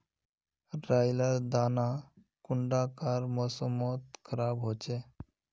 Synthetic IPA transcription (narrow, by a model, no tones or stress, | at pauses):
ɾaːjlad̪aːna | kʊɳɖakaɾmɔsəmɔt̪̚kʰəɾaːbɦoːt͡ʃʰe